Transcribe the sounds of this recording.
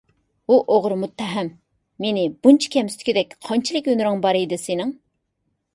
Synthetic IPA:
uʔoʁɾmut̪ʰːɛɦɛmː | enɪbunt͡ʃʰi̥kʲʰɛmst̪ʰkʲid̪ɛkʲqʰɑnt͡ʃʰilˠɨkʲønyɾɪŋbɑɾijd̪ɨsenɪŋ

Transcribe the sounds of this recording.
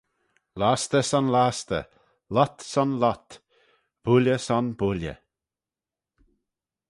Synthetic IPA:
last̪əsɔnlast̪ə̰ | lɔt̪sɔnlat̪ | b̥ulʲjəsɔnbuljə̰

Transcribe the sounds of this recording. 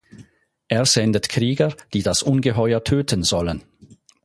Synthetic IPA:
ʔeːɐz̥ɛndətkʰʁ̥iːɡəd̥iːdasʔʊnɡəɦɔʏətʰøːtʰənzɔlən

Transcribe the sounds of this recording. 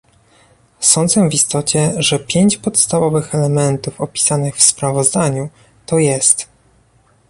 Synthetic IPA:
sɔnd̪zɛvist̪ɔt͡ɕɛʐɛpʲjeɲt͡ɕpɔt̪st̪avɔvɘxɛlɛmɛnt̪ufɔpʲi̥sanɘxfspɾavɔzd̪aɲu | t̪ɔjɛst̪

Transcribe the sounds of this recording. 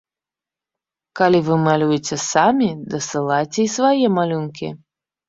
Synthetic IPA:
kalʲivɨmalʲujɛt͡sʲɛsamʲid̪ɐsɨlˠajt͡sʲɛisvajɛmalʲunkʲḭ

